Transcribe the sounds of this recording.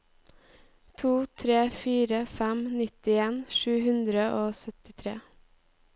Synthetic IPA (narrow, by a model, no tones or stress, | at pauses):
t̪ʰuːt̪ʰɾeːfiːɾəfæmnɪt̪ɪeːnʃʉːhʉnd̪ɾəʔoːsœt̪ɪt̪ʰɾḛː